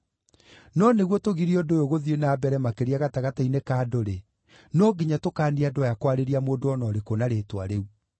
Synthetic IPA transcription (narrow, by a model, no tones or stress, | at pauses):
nɔneɣwɔtoɣiɾiɔdojoɣoðienaːbɛɾɛmakeɾiaɣataɣatainekaːdoɾe | nɔɡiɲatokaːniadwɔjakwaɾeɾiamoːdoɔnɔɾekonaɾeːtwa̰ɾeu